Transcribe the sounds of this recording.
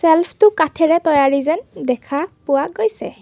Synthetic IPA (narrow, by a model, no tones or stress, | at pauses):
sɛlpʰtʊkatʰɛɹɛtɔjaɹizɛndɛkʰapʊwaɡojsɛ̰